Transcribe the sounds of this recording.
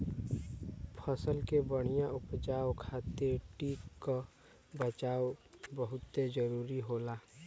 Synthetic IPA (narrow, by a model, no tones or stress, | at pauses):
pʰəsəlkebəɽ̃ɪjãʊpd͡ʒaːwkʰaːt̪eʈiːkːo | bət͡ʃaːwbəɦʊt̪ːed͡ʒəɾuːɾiɦoːlaː